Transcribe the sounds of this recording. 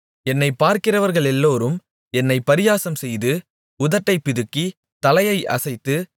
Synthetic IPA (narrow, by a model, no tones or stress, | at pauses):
ɛnːɐɪpaːɾkɪrɐʋɐɾɣɐɭɛlːoːɾɯm | ɛnːɐɪpːɐɾɪjaːsɐmsɛjðɯ | ʊðɐʈːɐɪpːɪðɯkːi | t̪ɐlɐjɐɪʔɐ̰sɐɪt̪ːɯ